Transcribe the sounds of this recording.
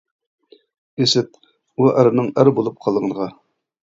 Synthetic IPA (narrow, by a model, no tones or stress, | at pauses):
esɪt̪̚ | uʔæɾnɨŋæɾbolˠup̚qʰɑlˠʁənʁɑ